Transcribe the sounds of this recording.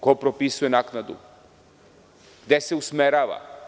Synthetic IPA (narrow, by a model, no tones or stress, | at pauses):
kopɾopisujenaknad̪ṵ | ɡ̥d̪eseusmeɾaːʋa̰